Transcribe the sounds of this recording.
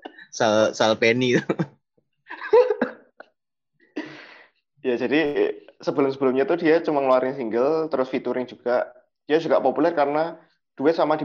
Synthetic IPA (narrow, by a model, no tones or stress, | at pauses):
salsalpenit̪u | jad͡ʒadisəbəlʊmsəbəlʊmɲat̪udiat͡ʃəmaŋloaɾɪŋsiŋɡəlt̪əɾʊsfit̪uɾɪŋd͡ʒ̥uɡ̥a | d̥iad͡ʒuɡaʔpopulɛrkaɾəna | d̥uɪt̪̚samadi